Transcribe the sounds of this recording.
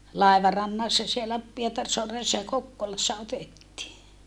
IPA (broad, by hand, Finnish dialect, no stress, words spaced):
lɑˑiʋɑrɑnːɑsːɑ sielːæ pietɑrsoɑresːɑ jɑ kokːolɑsːɑ otetːiː